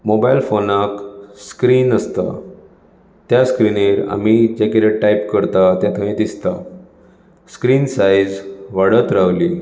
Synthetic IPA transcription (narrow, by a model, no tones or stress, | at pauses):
mobajlfonakskɾiːnəst̪a̰ | t̪jaskɾineɾa̰mid͡ʑekeɾeʈaipkəɾt̪at̪jãt̪ʰə̃ĩd̪ist̪a | skɾiːnsajd͡zʋaɽət̪ɾaʋli